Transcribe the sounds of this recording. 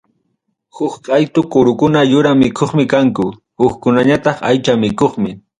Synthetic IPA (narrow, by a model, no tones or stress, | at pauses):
hʊkqajt̪ʊkʊɾʊkʊnajʊɾamɪkʰoχmɪkaŋkʊ | hʊkkʊnaɲat̪ɑχajt͡ʃamɪkoχmɪ